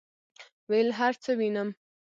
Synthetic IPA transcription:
wejlɦaɾt͡səwinəm

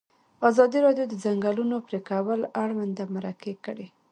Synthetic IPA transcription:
azɑd̪iɾɑdjod̪əzaŋɡalunopɾekawaəlaɽwand̪amaɾakekəɽe

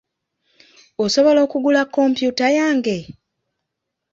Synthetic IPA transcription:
oso̞βo̞lo̞ːkuɡulakːo̞mpjutajaːŋɡe̞

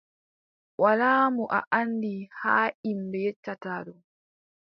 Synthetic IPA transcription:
walaːmuʔa̰ʔandihaːimbɛjɛt͡ʃːataːɗɔ

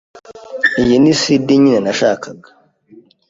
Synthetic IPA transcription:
ijinisidiɲinenaʃaːkaɡḁ

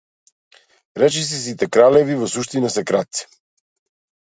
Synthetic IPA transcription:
ɾɛt͡ʃɛs̬ɛs̬it̪ɛkɾalɛvivɔsuʃt̪inasɛkɾat̪̚si̥

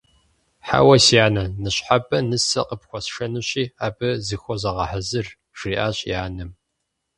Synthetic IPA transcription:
ħa̰wɐsijaːnɐnɨɕħabʼɐnɨsɐ̰qəpxʷɔsʂɐnɨɕiːaːbɨzɨxʷɔzɐʁɐħɐzɨr | ʒ̥riːʔaːɕʼjaːnɨm

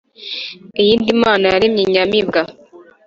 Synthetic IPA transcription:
ejiːndimaːnajaɾimɲiɲamiβɡa

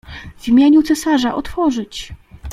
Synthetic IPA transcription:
vʲimʲjeɲut̪sɛsaʐaʔɔt̪fɔʐɘt͡ɕ

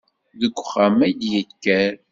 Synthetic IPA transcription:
ðəɡʷːχamæjd̪jəkːæɾ

